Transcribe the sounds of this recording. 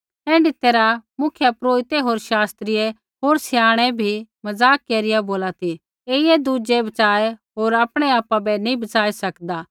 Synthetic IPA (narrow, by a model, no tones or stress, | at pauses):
ɛ̃ːɳɖɪt̪ːeɾamʊkʰjapɾoːɪt̪eɦoːɾʃaːst̪ɾɪje | ɦoːɾsɪjaːɽ̃ɛbʱimɐzaːkːeːɾɪjaboːlat̪ʰi | eːɪed̪uːd͡ʒebɐt͡ʃaːeɦoːɾapɽ̃eaːpabɛnĩbɐt͡ʃaːisɐkd̪aː